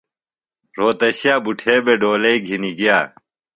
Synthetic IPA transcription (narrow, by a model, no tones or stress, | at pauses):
ɾoːt̪ɐɕjaːbuʈʰeːbeɖoːlɐiɡʱiniɡijaː